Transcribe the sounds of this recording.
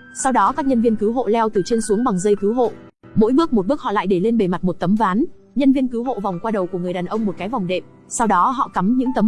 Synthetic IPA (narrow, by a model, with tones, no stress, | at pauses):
sa˧wɗɔ˨˦kaː˦˥k̚ɲə˧nvi˧ənkɨ˨˦wɦo̰˧˨lɛ˧wt̪ɨ˨˩t͡ɕe˧nsu˨˦əŋɓa˨˩ŋzə˧jkɨ˨˦wɦo̰˧˨ | mo̰˧˥jɓɨ˦˥ək̚mo˨˩ɓɨ˦˥ək̚hɔ̰˧˨la̰ː˧˨jɗe˧˩le˧nɓe˧˩ma˨˩t̚mo˨˩t̚t̪ə˨˦mvaː˨˦n | ɲə˧nvi˧ənkɨ˨˦wɦo̰˧˨va˨˩wŋ͡mkwaː˧ɗə˨˩wku˧˩əŋɨ˨˩əjɗaː˨˩nʔə˧wŋ͡mmo˨˩t̚kaː˨˦jva˨˩wŋ͡mɗḛ˨p̚ | sa˧wɗɔ˨˦ɦɔ̰˧˨ka˨˦mɲɨ̰˧˥ŋt̪ə˨˦m